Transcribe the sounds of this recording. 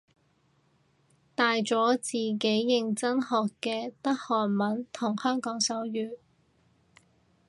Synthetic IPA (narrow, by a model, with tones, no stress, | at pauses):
t̪aː˨jt͡sɔː˨˥t͡siː˨˩ke˨˥jːɪ˨ŋt͡sɐ˥nhɔː˨kːɛː˧t̪ɐ˥k̚hɔː˨˩nmɐ˨˥nt̪ʰʊ˨˩ŋhœː˥ŋkɔː˨˥ŋsɐ˨˥wjyː˨˩